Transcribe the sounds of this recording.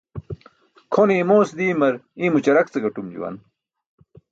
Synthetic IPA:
kʰonĩːmoːsd̪iːmɐɾĩːmut͡ɕɐɾɐkt͡sɐɡɐʈumd͡ʑṵwɐ̰n

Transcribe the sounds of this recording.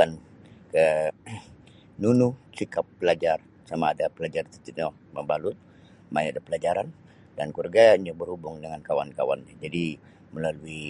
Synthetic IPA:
an | kə | nunusikapːəlad͡ʒar | samaːdapəlad͡ʒart̪it̪iɲɔ | məmbalʊt̪̚ | majadapəlad͡ʒaɾan | dankurɡaiɲabərhubʊŋdəŋankawa̰nkawa̰nɲad͡ʒadi | məlalui

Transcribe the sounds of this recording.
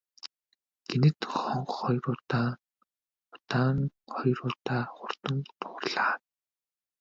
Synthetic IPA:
ɡ̥enɘ̆t̪χɔɴχχɔjrʊːt̪a | ʊt̪aːŋχɔjrʊːt̪aːχʊr̥t̪ə̆ŋt̪ʰʊːrɮaː

